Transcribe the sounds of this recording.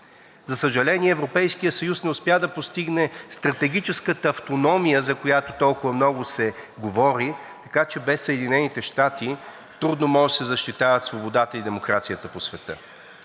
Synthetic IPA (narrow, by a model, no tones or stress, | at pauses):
zɐsəʒɐlɛniɛːvɾopɛjskijəsɐjusnɛʊspjad̪ɐpost̪iɡnɛst̪ɾɐt̪ɛɡ̟it͡ʃɛskət̪əːft̪onɔmijəzɐkojat̪ot̪ɔlˠkʊvəmnɔɡʊsɛɡovɔɾi | t̪ɐkat͡ʃɛbɛsːəɛd̪inɛnit̪ɛʃt̪at̪i | t̪ɾud̪nomɔʒɛsɛzɐʃt̪it̪avət̪svobod̪at̪əid̪ɛmokɾat̪sijət̪əposvɛt̪ə̰